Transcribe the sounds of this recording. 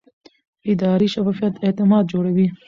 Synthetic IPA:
ɪd̪ɑːɾiʃafɑfijɐt̪et̪ɪmɑːd̪̚d͡ʒoːɽawi

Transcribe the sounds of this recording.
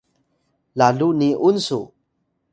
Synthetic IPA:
laluniʔunsṵ

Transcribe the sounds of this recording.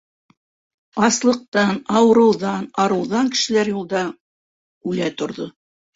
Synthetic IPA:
ɑslˠɤ̆q̚t̪ɑnɑwɤ̆ɾɤ̆wðɑnɑɾɤ̆wðɑŋkɘ̥̆ʃɘ̆læɾjulˠd̪ɑ | ʉlæt̪ŏɾðo

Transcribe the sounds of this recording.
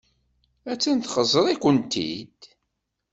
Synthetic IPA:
æt͡sːənt̪χəzˤəɾˤikʷənt̪ḭd̪

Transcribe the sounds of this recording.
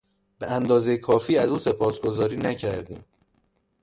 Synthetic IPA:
b̥eænd̪ɒːzejekʰɒːfiːæzuːse̞pʰɒːsɡo̞zɒːɾiːnæcʰæɾd̪ḭːm

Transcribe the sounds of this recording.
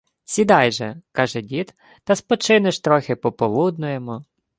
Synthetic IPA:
sʲid̪ɑjʒɛkɑʒɛdʲit̪ | t̪ɐspɔt͡ʃɪnɪʃt̪ɾɔxɪpɔpɔlˠud̪nʊjemɔ

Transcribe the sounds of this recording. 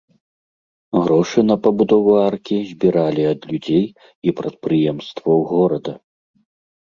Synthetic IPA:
ɣɾɔʂɨnɐpɐbud̪ɔvuarkʲizʲbʲiɾalʲiɐd̪lʲud͡zʲej | ipɾɐt̪̚pɾɨjɛmst̪vɐwɣɔɾɐd̪ɐ

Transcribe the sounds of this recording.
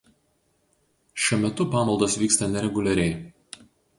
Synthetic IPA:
ʃʲuɔmʲɛt̪ʊpɑːmɐlˠd̪oːsʋʲiːkst̪ɐnʲɛɾʲɛɡʊlʲɛɾʲɛɪ

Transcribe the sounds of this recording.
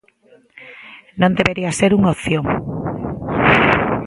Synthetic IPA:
nõnd̪eβeɾiaseɾuŋoθjõŋ

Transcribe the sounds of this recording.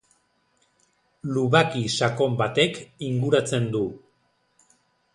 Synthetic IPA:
luβakisako̞mbat̪e̞kiŋɡuɾat͡se̞nd̪u

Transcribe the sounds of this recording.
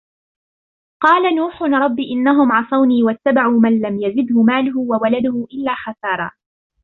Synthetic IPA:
qɑːlanuːħʊnɾˤɑbːiʔɪnːaɦʊmʕɑsˤɑwniːwat̪ːabaʕuːmanlamjazɪd̪hʊmaːlʊɦʊwawalad̪ʊhʊʔɪlːaːxɑsɑːɾˤɑ̰ː

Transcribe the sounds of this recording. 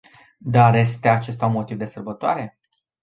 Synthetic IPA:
d̪arje̞st̪e̞at͡ʃe̞st̪aunmo̞t̪ivd̪e̞sərbət̪oa̰ɾe̞

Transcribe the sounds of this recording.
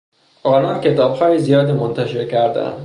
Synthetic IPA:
ʔɒːlɒːncʰe̞t̪ɒːb̥hɒːjizijɒːd̪imont̪ʰæʃe̞ɾcʰæɾd̪æ̰nd̪

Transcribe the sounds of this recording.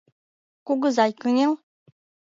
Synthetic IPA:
kuɣɤ̆zɑjkynʲel

